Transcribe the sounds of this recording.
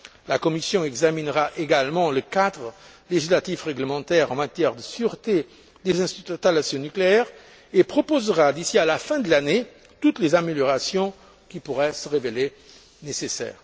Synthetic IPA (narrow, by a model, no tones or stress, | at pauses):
lakɔmisjɔ̃ɛɡzaminʁaʔeɡalmɑ̃ləkat̪ʁə | leʒislat̪ifʁɛɡləmɑ̃t̪ɛʁɑ̃mat̪jɛʁd̪əsyʁt̪e | d̪ezɛ̃st̪it̪t̪alasjɔ̃nykleɛʁ | epχɔpozʁad̪isialafɛ̃d̪əlane | t̪ut̪lezameljɔʁasjɔ̃ | kʲipuʁɛsəʁevele | nesesɛ̰ːʁ